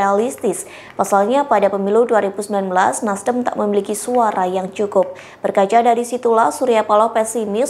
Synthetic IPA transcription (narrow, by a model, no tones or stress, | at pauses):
alist̪ɪs | pasalɲapadapəmiluduaɾibusəmbilanbəlasnasdəmt̪a̰ʔməmilikisuaɾajaŋt͡ʃukʊp̚ | b̥ərkad͡ʒadaɾisit̪ulahsuɾiapalɔhpɛsimɪs